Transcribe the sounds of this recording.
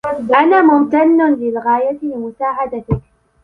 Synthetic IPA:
ʔanaːmʊmt̪anːʊnlɪlɣaːjat̪ɪlɪmʊsaːʕad̪at̪ɪk

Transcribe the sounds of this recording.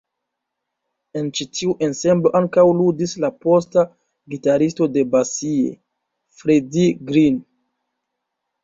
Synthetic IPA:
e̞nt͡ʃitʰiuʔe̞nse̞mblo̞ʔaŋkawludislapo̞sta | ɡitaɾisto̞de̞basiḛ | fɾediɡɾin

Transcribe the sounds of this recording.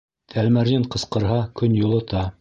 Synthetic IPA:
t̪ʰælmæɾjɘɴqɤ̆sqɤ̆ɾɦɑkɵnjulˠɤ̆t̪ɑ

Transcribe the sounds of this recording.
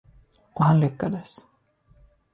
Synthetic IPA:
ɔhanlʏkːad̪əs

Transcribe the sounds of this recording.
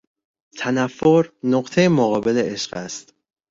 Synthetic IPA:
t̪ʰænæfːoɾnoqt̪ʰejemoɣɒːbe̞leʔeʃɢæst̪

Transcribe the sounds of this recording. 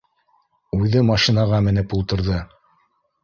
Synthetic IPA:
ʉðɘmɑʃinɑʁɑmɘ̆nɘpulˠt̪ɤ̆ɾðɤ

